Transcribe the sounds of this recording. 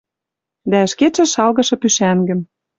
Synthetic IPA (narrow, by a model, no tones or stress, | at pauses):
d̪æɘ̆ʃket͡ʃɘ̆ʃɑlɣɤ̆ʃɤ̆pyʃæŋɡɘ̆m